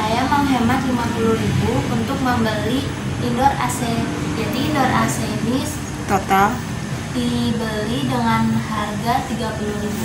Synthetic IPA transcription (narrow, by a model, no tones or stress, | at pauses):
sajaŋməŋɦembat̪limapuluɾibuunt̪ʊk̚məmbəli | indɔra̰sɛd͡ʒadiːndɔrasɛnɪs | t̪ot̪al | t̪ibəlidəŋanharɡat̪iɡapuluɾibu